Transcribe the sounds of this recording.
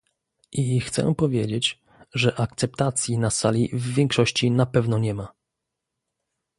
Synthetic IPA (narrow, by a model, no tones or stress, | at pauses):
ʔixt̪sɛ̰pɔvʲjed͡ʑet͡ɕ | ʐɛʔak̚t̪sɛp̚t̪at̪sʲjinasa̰lʲivːʲjɛŋkʂɔɕt͡ɕinapɛvnɔɲɛma